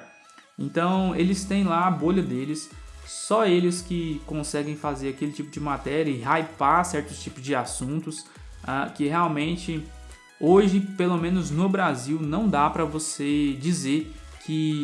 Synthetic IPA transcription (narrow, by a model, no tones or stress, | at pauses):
ẽnt̪ɐ̃w̃elɪst̪ẽj̃laaboʎɐd̪elɪsːɔelɪskɪkõsɛɡẽj̃fazeɾakelɪt͡ʃipʊd͡ʒɪmat̪ɛɾʲɐɪɦajpaɾsɛɾt̪ʊ̥t͡ʃipʊzd͡ʒɪasũnt̪ʊs | a̰kɪɦeawmẽnt͡ʃɪ | oʒɪpelomẽnʊznʊbɾaziwnɐ̃w̃d̪apɾɐvosed͡ʒizeɾ | kʰɪ